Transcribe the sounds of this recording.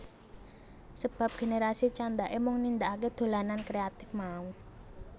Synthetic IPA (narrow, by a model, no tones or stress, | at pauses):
səb̥a̤p̚ɡ̥e̤neɾasit͡ʃand̪aʔemʊŋnind̪aak̬ed̪̥o̤lanankɾeat̪ɪfmaũ